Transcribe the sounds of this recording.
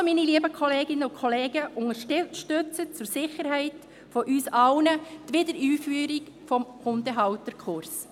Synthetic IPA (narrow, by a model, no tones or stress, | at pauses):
miniliəbəkʰɔleːɡɪnːəʊnkʰɔleːɡəʔʊŋəɾʃtʃtøt͡sət͡sʊɾsɪχəɾɦɛɪt | fɔʔyːsɑʊnət̪ʋɪdəɾyːfyːɾik | fɔmχʊndəɦɑʊtəɾkʰχʊɾs